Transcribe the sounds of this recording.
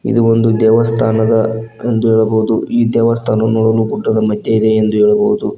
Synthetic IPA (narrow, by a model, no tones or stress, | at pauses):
ḭd̪uo̞nd̪ud̪ɛːʋɐst̪ʰaːnɐd̪ɐ | end̪uɦeːɭɐboɦud̪uiːd̪ɛːʋɐst̪ʰaːnɐnɔːɽɐluːbuɖːɐd̪ɐmɐd̪ʱjɐid̪e̞ːnd̪uɦeːɭɐboɦud̪u